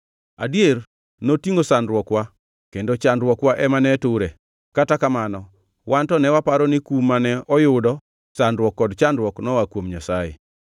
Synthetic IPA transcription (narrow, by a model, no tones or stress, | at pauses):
adjer | notiŋosandɾwɔkwa | kendot͡ʃandɾwɔkwaʔɛmanɛtʊɾe | katakamanɔ | wantɔnɛwapaɾɔnɪkumːanɛɔjʊdɔ | sandɾwɔkːɔdt͡ʃandɾwɔknɔwakwomɲasajɪ̰